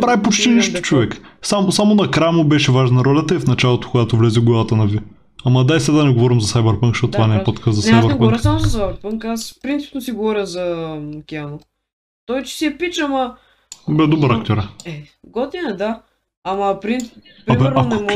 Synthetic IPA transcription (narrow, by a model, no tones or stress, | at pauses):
pɾavipot͡ʃt̪iniʃt̪o̥t͡ʃovɛksamosamonɐkɾajmobɛʃɛvaʒnɐɾɔlʲɐt̪əifnɐt͡ʃalˠot̪o̥kʊɡat̪ovlɛziɡɔlˠət̪ənɐvi | ɐmɐd̪aisad̪anɛɡovɔɾimzɐsajbəɾpəŋkʃot̪t̪vanɛɛpot̪kazɐsajbɛɾɾɛɡɔɾjəsamozɐsajbɛɾpəŋkaspɾint̪i̥pnosiɡovɔɾʲəzɐkʲiano | t̪ɔjt͡ʃɛ̥siɛpit͡ʃɐmɐ | bɛd̪obəɾakt̪ʲoɾɛɛɡɔt̪inɛd̪aː | mɐpɾint̪ | pɾimɛɾanɛmɔ